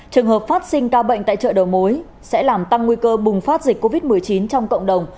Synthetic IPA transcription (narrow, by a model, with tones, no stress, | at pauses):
t͡ɕɨ˨˩əŋhɦəː˨˩p̚faː˦˥t̚sï˧ŋ̟kaː˧wɓə̰˧˨jŋ̟t̪a̰ː˧˨jt͡ɕə̰ː˧˨ɗə˨˩wmo˨˦j | sɛ̰˧˥laː˨˩mt̪a˧ŋːwi˧kəː˧ɓʊ˨˩ŋ͡mfaː˦˥t̚zi˨˩k̚kːo˧vi˦˥t̚mɨ˨˩əjt͡ɕi˨˦nt͡ɕɔ˧wŋ͡mkə̰˧˨ŋ͡mɗə˨˩wŋ͡m